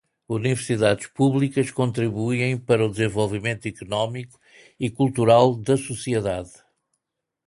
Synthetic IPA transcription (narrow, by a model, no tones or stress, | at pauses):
univɨɾsiðaðʃpuβlˠikɐʃkõnt̪ɾiβujẽj̃pɐɾɐud̪zẽvolˠvimẽnt̪uikunɔmiku̥ | ikulˠt̪uɾalˠd̪ɐsusieðað